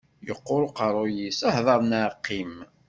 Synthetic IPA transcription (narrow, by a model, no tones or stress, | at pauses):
jəqːoɾoqəɾˤʊjisæhðˤɑɾˤnaʕqːim